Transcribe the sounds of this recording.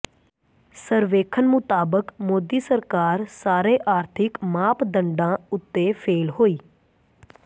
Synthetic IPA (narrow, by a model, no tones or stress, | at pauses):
səɾʋeːkʰənmʊt̪aːbəkmoːd̪iːsəɾkaːɾsaːɾeːʔaːɾt̪ʰɪkmaːpd̪əɳɖãːʊt̪ːeːpʰeːlɦoːiː